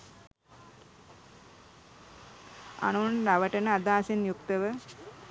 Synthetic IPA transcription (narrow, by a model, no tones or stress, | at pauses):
a̰nunɾaʋəʈənəad̪aːsenjukt̪əʋə